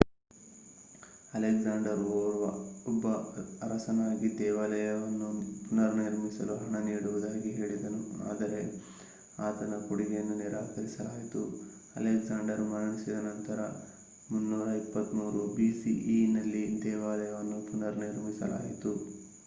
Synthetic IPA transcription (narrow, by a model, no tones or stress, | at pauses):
ɐleɡzaːɳɖɐɾoːɾʋɐɔbːɐɾɐsɐnaːɡid̪ɛːʋɐlɐjɐʋɐnːupunɐɾnɐiɾmisɐluɦɐɳɐniːɽuʋud̪aːɡiɦe̞ːɭid̪ɐnua̰ːd̪ɐɾe̞ | aːt̪ɐnɐkuɽiɡejɐnːuniɾaːkɐɾisɐlaːjit̪u | ɐ̰leɡzaːɳɖɐɾmɐɾɐɳisid̪ɐnɐnt̪ɐɾɐ̰ | munːuːɾɐipːɐt̪muːɾubisiʔinɐlːid̪ɛːʋaːlɐjɐʋɐnːupunɐɾniɾmisɐ̰la̰ːjit̪u